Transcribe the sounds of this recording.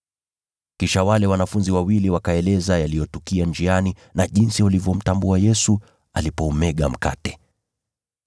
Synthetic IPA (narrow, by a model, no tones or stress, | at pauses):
kiʃawalɛwanafunziwawiliwakaɛlɛzajalijɔtukiand͡ʒianinaʄinsiwalivjɔm̩tambuajɛsu | a̰lipɔːmɛɠam̩ka̰tɛ̥